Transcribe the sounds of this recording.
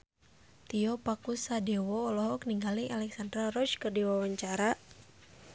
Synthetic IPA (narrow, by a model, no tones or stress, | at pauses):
t̪iɔpakusadɛwɔːlɔɦɔkniŋɡaliŋalɛksandɾarɔt͡ʃkɨrdiwawaɲt͡ʃaɾa